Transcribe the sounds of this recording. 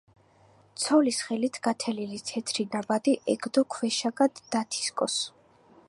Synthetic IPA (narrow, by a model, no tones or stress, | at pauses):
t̪sʰɔlisχɛlit̪ʰɡ̥at̪ʰɛlilit̪sʰɛt̪ʰɾid̪abad̪iʔɛɡd̪ɔkʰwɛʃaɡad̪ːat̪ʰi̥skʼɔs